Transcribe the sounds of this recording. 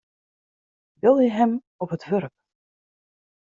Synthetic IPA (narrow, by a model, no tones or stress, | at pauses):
bɪlˠjəɦɛm | ɔpɦətʋørp̚